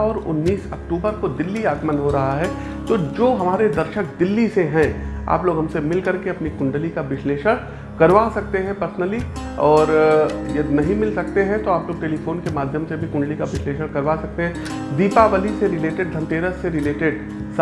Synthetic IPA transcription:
ɔːɾʊ̰nːiːsɐkʈuːbəɾkod̪ɪlːiaːɡmənɦoɾɐɦaɦɛː | t̪oːd͡ʒoːɦɐmaːɾed̪ɐɾʃək̚d̪ɪlːiseɦɛ̃a̰ːploːɡɦɐmsemɪlkɐɾkeɐpnikʊ̃ɳɖəlikaʋɪʃleːʃəɽ | kɐɾʋasɐk̚t̪eɦɛ̃pɐɾsənəli | ɔːɾjɐd̪inɐɦĩmɪlsɐk̚t̪eɦɛ̃t̪oaːploːɡ̚ʈeːlifʰoːnkemaːd̪ʱjəmsebʱikʊ̃ɳɖəlikaʋɪʃleːʃəɽkɐɾʋasɐk̚t̪eɦɛ̃ | d̪iːpaʋəliseɾɪleːʈeɖ̚d̪ʱɐ̃nt̪eːɾəsːeɾɪleːʈeɖ | s

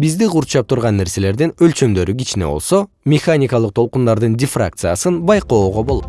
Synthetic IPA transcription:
bizd̪iquɾt͡ʃɑp̚t̪ʰuɾʁɑnːe̞ɾse̞le̞ɾd̪inø̞lt͡ʃø̞md̪ø̞ɾyɡit͡ʃine̞̰o̞̰lˠso | mʲɪχanʲɪkɑlˠɯq̚t̪ʰo̞lˠqund̪ɑɾd̪ɯndʲɪfra̰k̚t̪sɨjasɯnbɑjqo̞ːʁo̞bo̞lˠo̰t̪

